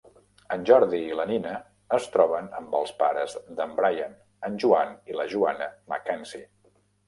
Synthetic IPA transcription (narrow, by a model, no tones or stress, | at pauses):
ənʲʒɔɾðiːləninəː | st̪ɾɔβənəmbəlˠspaɾəzd̪əmbɾajan | ənʲʒuaniləʒuanəməkɛnsi